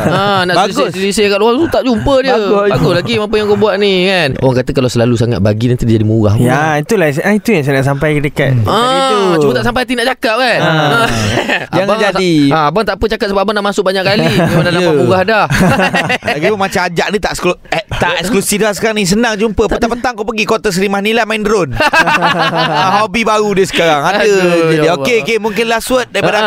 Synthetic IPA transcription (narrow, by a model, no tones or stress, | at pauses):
ənaʔbaiɡʊslisikaʔluaut̪aʔd͡ʒumpədiəbaɡʊslaɡimapəjaŋkobuaʔnikano̰waŋkat̪əkalawsəlalusaŋa̰t̪̚baɡinant̪udid͡ʒadimuɡa̰hait̪ulasʔait̪ujaŋs̬ajnaʔs̬ampajədəkat̪əaamut̪aʔs̬amp̬ajat̪̬inaʔt͡ʃakaʔ̚kan | ajaŋbaŋd͡ʒasiaabaŋt̪aʔpət͡ʃakat̪̚səbapbanaʔmasʊk̚baɲaʔkalimanalaapuɡahdah | laɡipunmat͡ʃamad͡ʒaʔnit̪aʔskut̪aʔɛksklusifdlasə̥kaɾaŋnĩs̬ənaŋd͡ʒumpəp̪ət̪aʔpət̪aŋkop̬əɡikot̪as̬əɾimanilamaindɾon | aɦobibaɾudiəsə̥kaɾaŋadəd͡ʒadiokeokemũŋkɪnlahsuət̪̚daɾipada